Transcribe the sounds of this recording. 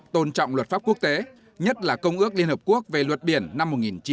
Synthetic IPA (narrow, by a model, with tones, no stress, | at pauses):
t̪o˧nt͡ɕɔ̰˧˨wŋ͡mlwə˨˩t̚faː˦˥p̚ku˦˥ək̚t̪e˨˦ | ɲə˦˥t̚laː˨˩kə˧wŋ͡mʔɨ˦˥ək̚li˧ənhəː˨˩p̚ku˦˥ək̚ve˨˩lwə˨˩t̚ɓi˧˩ənːa˧mːo˨˩t̚ŋi˨˩nt͡ɕi˨˦